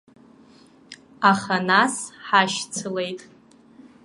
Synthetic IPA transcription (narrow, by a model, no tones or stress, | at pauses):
aχanasħaʃt͡sʰɨle̞jtʼ